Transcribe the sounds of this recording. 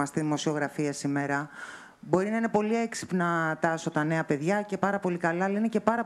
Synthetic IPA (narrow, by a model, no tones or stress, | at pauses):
ɐst̪iðimo̞sio̞ɣɾɐfiɐsime̞ɾɐ | bo̞ɾinɐine̞po̞lie̞ksi̥pnɐt̪ɐso̞t̪ɐne̞ɐpe̞ðʝɐce̞pɐɾɐpo̞likɐlɐːlɐine̞ce̞pɐɾɐ